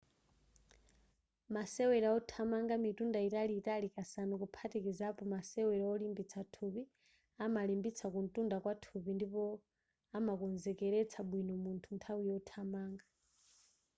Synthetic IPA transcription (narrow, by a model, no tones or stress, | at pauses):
masɛwɛɾaɔtʰamaŋɡamitundaitaliːtalikasanukupʰatikizapɔmasɛwɛɾaɔlimbit͡sʰatʰupi | amalimbit͡sʰakun̩tʼundakwatʰupindipɔ | amakɔnzɛkɛɾɛt͡sʰaɓwinɔmuntʰuntʰawiɔtʰamaːŋɡa